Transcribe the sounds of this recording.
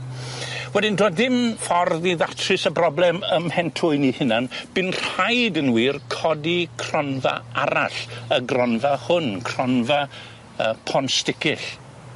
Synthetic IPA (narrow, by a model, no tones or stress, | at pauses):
wɛdɪndoːdðɪmfɔrðiðatʰrɨsəbrɔblˠɛməmhɛntʰʊɨnihɪnanb̥ɨnr̥ajdənwiːrkʰɔdikʰr̥ɔnva̰aɾa̰ɬəɡrɔnvahʊnkʰrɔnva | əpʰɔnstɪkɪɬ